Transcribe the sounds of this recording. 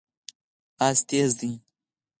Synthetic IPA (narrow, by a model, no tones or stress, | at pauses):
ast̪ezd̪i